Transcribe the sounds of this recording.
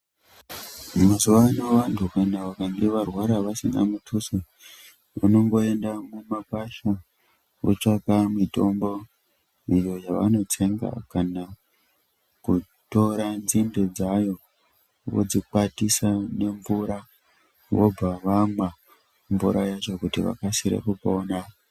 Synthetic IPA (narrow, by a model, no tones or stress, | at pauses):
masuʋanoʋantʰukanaʋakaŋɡeʋarwaɾaʋasiŋɡa̰mutʰuse | ʋano̞ŋɡo̞e̞ndamumakaʃa | o̰t͡ʃakamito̞mbo̞ | ijo̞jaʋa̰no̞tʰe̞ŋɡa̰kana | ku | to̞ɾanzinde̞d͡zajo̞ | ʋo̰d͡zik͡patisane̞ɱvuɾa | ʋo̞̰b͡vaʋamwa | ɱvuɾajat͡ʃo̞kutiʋa̰kasiɾḛkupo̞ːna